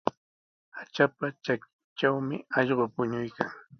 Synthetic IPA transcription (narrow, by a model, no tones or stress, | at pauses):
at͡ʃapat͡ʃakɪ̥ | t͡ʃawmɪ̰ɑʎɢopʊɲʊjkʰaŋ